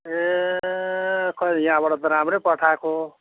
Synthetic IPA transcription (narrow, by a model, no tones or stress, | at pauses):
e | kʰʌjãbaɽad̪ʌɾamrepʌʈʰako